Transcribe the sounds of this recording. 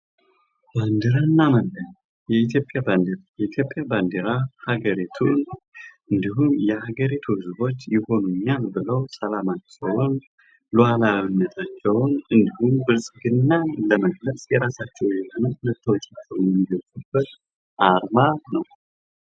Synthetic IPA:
b̥and̪ɨɾanːaməlːəɲ | jɛit̪jo̞pʼːjaband̪eɾajɛit̪ʰjo̞pʼjaband̪ɨɾahaɡəɾit̪ʰunʔɨnd̪iɦumjɛhaɡəɾit̪ʰuhɨzbo̞t͡ʃːjɪho̞nuɲːalbɨləwsʼəlamat͡ʃːɛwn | lualaβinːət̪ʰat͡ʃːɛwnɨnd̪ihumbɨɾsʼɡɨnːaləməɡləsʼjɛɾasat͡ʃːɛwjɛhonənət̪ʰːəwt͡ʃʼat͡ʃːɛwnjɛmːiɡəsʼəb̥ət̪ | ʔaɾmanəw

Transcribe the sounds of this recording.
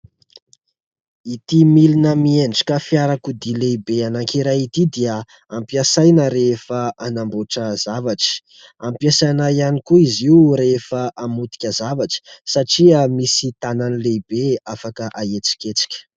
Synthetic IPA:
it̪imilinəmieɳɖ͡ʐi̥kəfiaɾakud̪ilebeanaŋkiɾajit̪id̪iə | ampiasajnəɾefəanamboʈ͡ʂəzavaʈ͡ʂə̥ | ampiasanajanikuiziuɾefəʔamut̪i̥kʲəzavaʈ͡ʂə̥saʈ͡ʂiamisit̪ananilebeafakəʔaet͡si̥kʲet͡si̥kʲə̥

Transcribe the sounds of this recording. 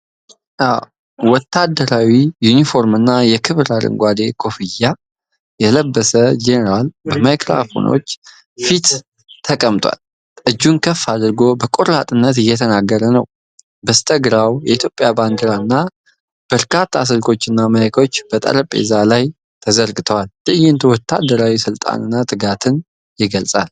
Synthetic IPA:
ʔaw | wɔt̪ːad̪ːəɾawijunifo̞ɾmɨnːajɛkʰɨβɾaɾɨ̰ŋɡʷwad̪e̞kʰo̞fɨja | jɛləbːəsəd͡ʒenəɾalbəmajkʼɾa̰fo̰no̞̰t͡ʃː | fit̪ːʰ | əkʼəmt̪ʼwa̰l | ʔɨd͡ʒːunkʰəfːad̪ɨɾɡo̞bəkʼoɾat̪ʼɨnːət̪ɨjːɛt̪ʰənaɡːəɾənə̰w | bəst̪ʰəɡɾawjɛit̪ʰjo̞pʼjabanɡ̪ɨɾanːa | b̥əɾkʰat̪ʰːas̬ɨlkʰʼo̞t͡ʃːɨnːaməjakʰo̞t͡ʃːb̥ət̪ʼə̰ɾəpʼḛzalaj | t̪ʰəzəɾɡɨt̪ʰəwalt̪ɨɨjɪnt̪ʰwɔt̪ʰːa̰d̪ːəɾawisɨlt̪ʼa̰nɨnːat̪ʼɨɡat̪ʰɨn | jɪɡəlsʼal

